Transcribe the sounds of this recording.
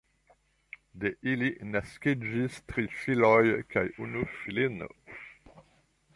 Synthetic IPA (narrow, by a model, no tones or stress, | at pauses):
d̪eʔilinasked͡ʒist̪ʁifilɔjkʰajunufilin̰